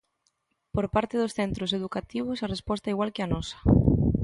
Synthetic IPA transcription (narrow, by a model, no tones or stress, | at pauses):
poɾpaɾt̪ɪðʊsθent̪ɾʊseðukat̪iβ̞ʊsarespɔst̪ɐiɣwalkɪanɔsɐ̥